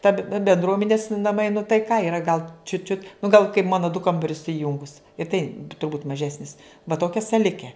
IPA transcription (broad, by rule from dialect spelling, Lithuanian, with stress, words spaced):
ˈtɐ bʲɛnˈdruɔmʲɛnʲɪs nɐˈmɐɪ nʊ tɐɪ ˈkɑː ɪˈrɐ ɡɐlˠ t͡ʃʲʊt t͡ʃʲʊt nʊ ɡɐlˠ kɐɪp ˈmɑːnoː dʊ ˈkɐmbɐrʲʊs sʊˈjʊŋɡʊs ɪ tɐɪ tʊrˈbuːt mɐˈʒʲæːsʲnʲɪs ʋɐ ˈtoːkʲɛ sɐˈlʲɪkʲɛ